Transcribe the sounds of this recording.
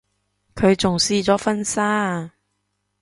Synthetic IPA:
kʰɵ˨˧ɥt͡sʊ˨ŋsiː˥t͡sɔː˨˥fɐ˥nsaː˥

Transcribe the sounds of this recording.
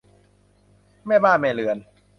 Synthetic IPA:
maː˥˩jbaː˥˩nmaː˥˩lɯ˨˩ən

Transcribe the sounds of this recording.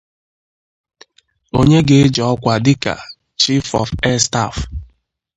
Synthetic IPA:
o˦ɲe˦ɡe˦d͡ʒɔ˨ɔ˦kʷa˨dɪ˦ka̰˨ | t͡ʃi˦fɔ̰˨fɛ˦sta̰˦˨f

